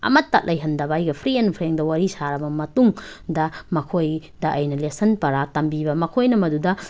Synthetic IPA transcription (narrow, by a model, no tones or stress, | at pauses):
ɐ̰mɐtːa̰t̚lʔɐjɦɐndɐbɐjɡɐpʰɾienpʰɾeŋdɐwaɾisaɾɐbɐmɐtuŋdɐmɐkʰojdɐʔɐjnɐlesɐnpɐɾatɐmbibɐmɐkʰojnɐmɐdudɐ